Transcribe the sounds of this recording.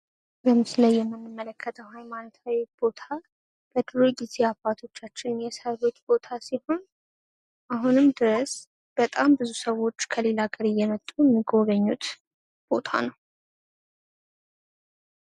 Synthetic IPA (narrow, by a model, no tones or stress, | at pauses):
ɡəmɨsləjːɛmːɨnːɨmːələkʰːət̪ʰəwhajmanot̪ʰawib̥o̞t̪ʰa | b̥əd̪ɨɾojɪziabat̪ʰo̞t͡ʃːat͡ʃːɪnjɛsəɾo̞t͡ʃ̪ːbo̞t̪ʰasiho̞n | ʔaɦunɨmd̪ɨɾəs | b̥ət̪ʼambɨzusəwːo̞t͡ʃːkʰəle̞laɡəɾɨjːɛmət̪ʼːujɛmːiɡo̞ɡəɲːut̪ | b̥o̞t̪ʰa̰nəw